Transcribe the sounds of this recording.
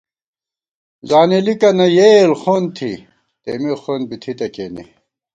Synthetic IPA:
zaːnelikɐnɐjelxont̪ʰḭ | t̪emexonbit̪ʰit̪ɐkenḛ

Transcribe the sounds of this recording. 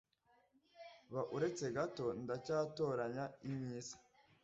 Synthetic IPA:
βaʔuɾe̞t͡se̞ɡato̞ndacaːto̞ːɾaɲaimɲiːzḁ

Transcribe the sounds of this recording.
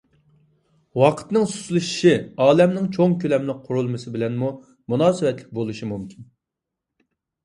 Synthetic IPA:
wɑqʰə̥t̪nɨŋsu̥slˠɨʃi̥ʃiɑːlɛmnɪŋt͡ʃʰoŋkʲølɛmlɪk̚qʰʊɾulˠmɨsɨbɪlɛnmu | munɑːsɨwɛt̪lɪk̚ʲbolˠuʃimumkʲin

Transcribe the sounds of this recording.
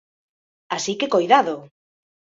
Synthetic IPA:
asikekojðaðo

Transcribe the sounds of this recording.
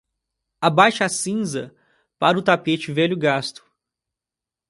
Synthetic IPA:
abajʃɐasĩzɐ | paɾʊt̪apet͡ʃɪvɛʎʊɡast̪ʊ̥

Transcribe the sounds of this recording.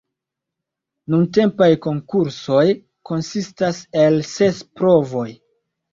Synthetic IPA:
nunte̞mpajko̞ŋkuɾso̞j | ko̞nsistase̞lse̞spɾo̞vo̞j

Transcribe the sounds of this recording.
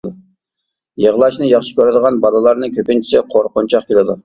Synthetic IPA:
u | jəʁlˠɑʃnɨjɑχʃɪ̥kʲøɾɨd̪əʁɑnbɑlˠɨlˠɑɾnɨkʲʰøpɪnt͡ʃʰi̥sɪqʰoɾqont͡ʃʰɑχkʲʰelɪd̪u

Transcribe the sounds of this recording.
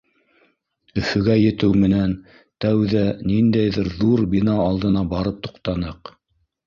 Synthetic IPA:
ɵ̆fɵ̆ɡæjɘ̆t̪ɘwmɘ̆næn | t̪æwðænind̪æjðɘɾðuɾbinɑːlˠd̪ɤ̆nɑbɑɾɤp̚t̪u̥qt̪ɑnɤq

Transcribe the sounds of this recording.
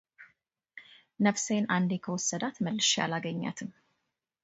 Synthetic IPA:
nəfsenʔand̪ekʰəwɔsːəd̪at̪məlːɨʃja̰laɡəɲːa̰t̪ʰɨm

